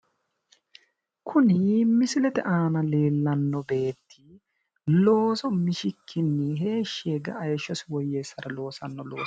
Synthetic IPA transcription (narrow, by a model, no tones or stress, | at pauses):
kʰʊnɪmɪsɪlɛt̪ɛ̰ʔaːnɐle̞ːlːɐnːɔbe̞ːt̪ʰːi | lo̞ːsɔmɪʃɪkʰːɪnːɪɦe̞ːʃːeːɡɐ̰ʔːjʃːɔsɪwɔjːeːsːɐɾɐlo̞ːsɐnːɔlo̞̰ːs